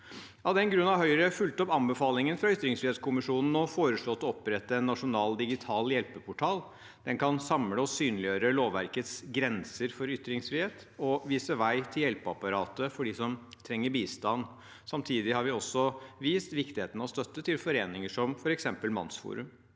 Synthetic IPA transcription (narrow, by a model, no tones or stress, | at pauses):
ɑʋd̪ɛnɡɾʉnːɑʋhœʏɾəfʉlt̪əɔpɑmbəfɑːlɪŋənfɾɑʏt̪ɾɪŋsfɾɪheːt̪skʰʊmɪʂuːnn̩ɔfoːɾəʂɭɔt̪ːɔɔpːɾɛt̪ːəɛnːɑʂʊnɑːld̪ɪɡɪt̪ʰɑːljɛlpəpʰʊʈʰɑːl | d̪ɛnkɑnsɑmləɔsyːnlɪjøːɾəloːʋʋæɾkət̪sɡɾɛnsəɾfɔɾʏt̪ːɾɪŋsfɾɪheːt̪ | ɔʋiːsəʋæɪt̪ʰɪljɛlpəɑpɑɾɑːt̪əfɔɖɪsɔmt̪ʰɾɛŋːəbiːst̪ɑnː | sɑmt̪ʰiːd̪ɪhɑɾʋɪɔsːɔʋiːst̪ʋɪkt̪ɪheːt̪nəɔst̪œt̪ːət̪ʰɪlfɔɾeːnɪŋəʂɔmfɔɾɛksɛmpəlmɑ̰nsfṵːɾʉ̰m